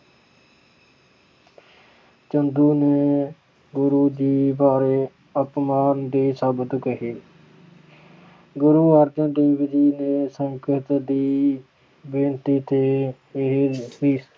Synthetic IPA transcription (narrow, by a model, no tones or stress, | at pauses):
t͡ʃənd̪uːneː | ɡʊɾuːd͡ʒiːbaːɾeː | əpmaːnd̪eːsəbəd̪kəɦeː | ɡʊɾuːaːɾd̪ãːd̪eːʋɪd͡ʒiːneːsə̃ŋkʰət̪d̪iː | bẽːnt̪iːt̪ʰeː | ɪɦliː